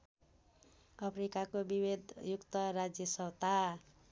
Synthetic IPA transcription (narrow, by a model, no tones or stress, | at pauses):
ʌpʰɾikakobibed̪jukt̪ʌɾad͡zjʌsʌwt̪a